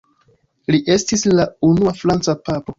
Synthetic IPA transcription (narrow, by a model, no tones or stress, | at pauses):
liʔe̞stislaunuafɾant͡sapapo̞